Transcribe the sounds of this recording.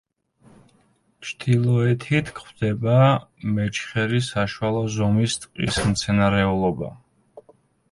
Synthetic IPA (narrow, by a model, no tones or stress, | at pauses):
t͡ʃʰd̪ʰilˠɔɛt̪ʰit̪ʰkʰχwvd̪̥ɛbamɛt͡ʃʰχɛɾisaʃwalˠɔzɔmist̪ʼqʼḭsmt̪sʰɛnaɾɛulˠɔba̰